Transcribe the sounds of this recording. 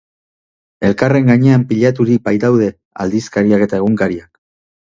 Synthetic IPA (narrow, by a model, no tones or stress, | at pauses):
e̞lkare̞ŋɡaɲe̞ampiʎat̪uɾik̚bajt̪awðe̞ | a̰ld̪iskaɾiake̞t̪ae̞ɣ̞uŋkaɾiak